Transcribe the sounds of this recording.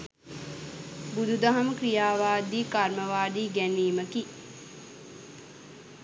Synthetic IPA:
bud̪ʱud̪aɦaməkɾijaːʋaːd̪iːkaɾməʋaːd̪iːɡæniːməki

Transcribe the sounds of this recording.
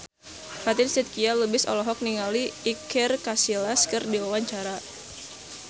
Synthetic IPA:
fat̪ɪnsɛt̪̚kialəbɪsɔ̰lɔɦɔk̚niŋaliːkʰɛrkasilaskərdiwawaɲt͡ʃaɾa

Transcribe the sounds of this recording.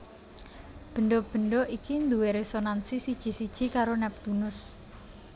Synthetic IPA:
b̥ə̤ɳɖob̥ə̤ɳɖoikind̪uweɾesonansisid̥ʒ̥i̤sid̥ʒ̥i̤kaɾonɛp̚d̪̥unʊs

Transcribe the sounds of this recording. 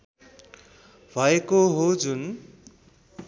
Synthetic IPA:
bʱʌekoɦod͡zun

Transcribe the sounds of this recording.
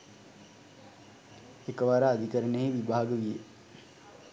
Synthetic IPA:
ekəʋaɾaːd̪ʱikəɾəneiʋibaːɡəʋije

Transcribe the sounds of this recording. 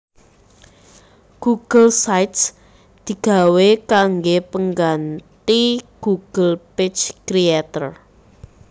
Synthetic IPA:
ɡ̥uɡ̥əlsajt̪s | d̪̥i̤ɡ̥a̤wekaŋɡepəŋɡant̪iɡ̥uɡ̥əlpɪt͡ʃkɾiat̪ər

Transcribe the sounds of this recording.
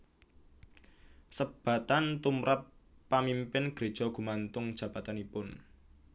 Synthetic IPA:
səb̥ä̤t̪ant̪umɾapːamimpɪnɡ̥ɾe̤d̥ʒ̥ɔ̤ɡ̥ṳmant̪ʊŋd̥ʒ̥ä̤b̥a̤t̪anipʊn

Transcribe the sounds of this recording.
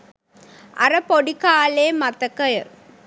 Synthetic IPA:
ɐ̰ɾɐpoɽikaːleːmɐt̪ːɐkːɐjɐ

